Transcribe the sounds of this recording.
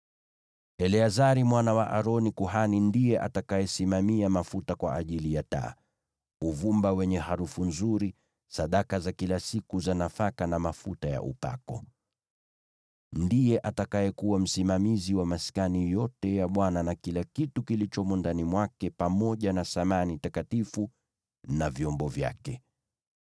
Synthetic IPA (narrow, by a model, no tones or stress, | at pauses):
ɛlɛazaɾimwanawaʔaɾɔnikuɦanindijɛʔa̰takajɛsimamiamafutakwa̰ʔaʄilijata̰ː | uvumbawɛɲɛhaɾufunzuɾi | saɗakazakilasikuzanafakanamafutaja̰ʔṵpa̰kɔ̰ | ndijɛʔatakajɛkuwam̩simamiziwamasi̥kanijɔtɛjaɓwananakilakitukilit͡ʃɔmɔndanimwakɛpamɔʄanasamanitakatifu | navjɔmbɔvja̰kɛ